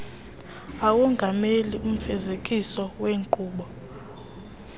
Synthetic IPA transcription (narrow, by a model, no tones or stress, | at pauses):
awuŋɡʱamelium̩fɛzekʼisɔweːŋǃʱʼuːɓɔ